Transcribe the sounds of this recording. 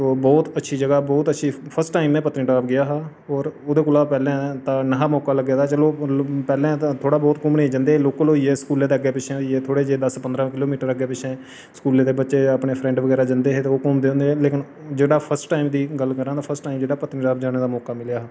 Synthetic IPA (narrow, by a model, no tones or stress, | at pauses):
soːbɔːt̪ətːʃʰiːd͡ʒəɡaːbɔːt̪ətːʃʰiːpʰəɾsʈʈːaːɪmɛ̃ːpət̪ĩʈaːpɡɪjaːɦaː | ɔːɾod̪eːkʊlaːpɛːlẽːt̪ãːnəɦaːmɔːkaːləɡeːd̪aːt͡ʃəloːpɛːlẽːt̪ʰoːɽaːbɔːt̪kʊmnẽd͡ʒə̃nd̪eːɦeːloːklɦoːiːɛːskuːlẽːd̪eːəɡeːpɪt͡ʃʰẽːɦoiːɛːt̪ʰoːɽeːd͡ʒeːd̪əspənd̪ɾãːkɪloːmiːʈəɾəɡeːpɪt͡ʃʰɛ̃ː | skuːlẽːd̪eːbətːʃeːəpɳeːpʰɾɛ̃ːɳɖʋəɡɛːɾaːd͡ʒənd̪eːɦeːt̪eoːkɔːmd̪ẽːnd̪eːɦɛːleːkɪn | d͡ʒeːɽaːpʰəɾsʈʈaːimd̪iːɡəlkəɾãːd̪aːpʰəɾsʈːaːimd͡ʒeːɽaːpət̪niʈaːp̚d͡ʒaːneːd̪aːmɔːkaːmɪljaːɦː